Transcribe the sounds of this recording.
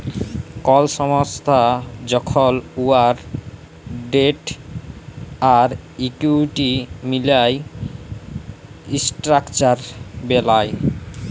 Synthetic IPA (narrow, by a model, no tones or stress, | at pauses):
kɔlʃɔmost̪ʰad͡ʑɔkʰoluaɾ | ɖeʈ | aɾikuʈimilaj | isʈɾakt͡ɕaɾbelaj